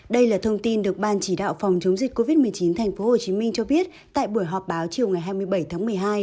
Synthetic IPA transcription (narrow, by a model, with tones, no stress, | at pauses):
ɗə˧jlaː˨˩t̪ʰə˧wŋ͡mt̪i˧nɗɨ˨˩ək̚ɓaː˧nt͡ɕi˧˩ɗa̰ː˧˨wfɔ˨˩wŋ͡mt͡ɕə˨˦wŋ͡mzi̟˨˩kːo˧vi˦˥t̚mɨ˨˩əjt͡ɕi˨˦nt̪ʰɛ˨˩jŋ̟fo˨˦ho˨˩t͡ɕi˨˦mï˧ŋt͡ɕɔ˧ɓi˦˥ət̚t̪a̰ː˧˨jɓu˧˩əjɦɔ˨˩p̚ɓaː˨˦wt͡ɕi˨˩əwŋa˨˩jɦaː˧jmɨ˧əjɓə˧˩jt̪ʰaː˨˦ŋmɨ˨˩əjɦaː˧j